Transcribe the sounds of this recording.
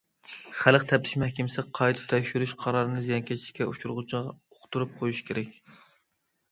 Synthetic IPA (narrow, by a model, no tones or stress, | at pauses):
χæləqt̪ʰɛp̚t̪ʰɪ̥ʃmɛhkʲɪmɪsɪqʰɑjt̪ʰɨ̥t̪ʰɛkʲʃyɾyʃqʰɑɾɑɾɨnɨzijɑŋkʲʰɛt͡ʃʰiʃɪ̥kʲʰːɛut͡ʃʰuɾʁʊt͡ʃʰɨʁɑoqʰt̪uɾup̚qʰojuʃkʲʰeɾɛkʲ